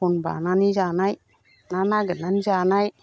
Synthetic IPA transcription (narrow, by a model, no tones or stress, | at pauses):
unba̰nanid͡ʒanaj | nanaɡənand͡ʒanaj